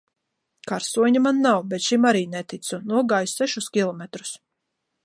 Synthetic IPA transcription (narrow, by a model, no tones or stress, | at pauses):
kaɾsuɔɲamanːawbɛt̪ʃimaɾiːnɛt̪it̪sunuɔɡaːjsɛʃuskʲilˠɔmɛt̪ɾu̥s